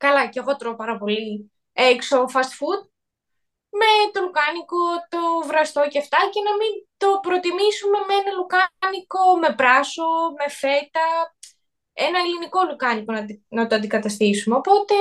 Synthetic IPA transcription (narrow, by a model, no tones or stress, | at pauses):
kɐlɐceɣo̞t̪ɾopɐɾɐpo̞li | ekso̞fɐst̪fud̪̚ | me̞t̪o̞lukɐniko̞t̪o̞vɾɐst̪o̞ceft̪ɐce̞nɐmint̪o̞pɾo̞t̪imisume̞meenɐlukɐniko̞me̞pɾɐso̞me̞fe̞t̪ɐ | enɐeliniko̞lukɐniko̞nɐnɐt̪oɐnd̪ikɐt̪ɐst̪isumeopo̞t̪e̞